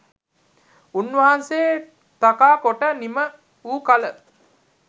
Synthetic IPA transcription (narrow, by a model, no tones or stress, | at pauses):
unːʋɐɦɐnseː | t̪akaːkoʈənimə | uːkalə